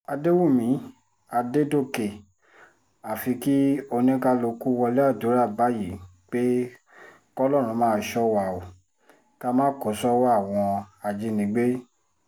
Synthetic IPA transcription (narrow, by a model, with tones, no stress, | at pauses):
a˧de˦wu˦˨mĩ˨˦ | a˧de˦do˦˨ke˨ | a˨fi˧ki˦o˧nĩ˦ka˧lo˧ku˦wɔ˧lɛ˦a˦˨do˨˦ɾa˦˨ba˦ji˨˦ | k͡pe˦ | kɔ˦lɔ˦˨ɾ̃ũ˨˧˦mãː˦ʃɔ˦wa˨o˨ | ka˦mãː˦ko˨˦sɔ˦wa˦a˦˨w̃ɔ̃˧a˨d͡ʒi˧nĩ˨˦ɡ͡be˦